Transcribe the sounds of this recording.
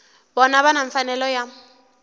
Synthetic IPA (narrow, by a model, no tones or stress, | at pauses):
bɔnaβanaɱfanɛlɔja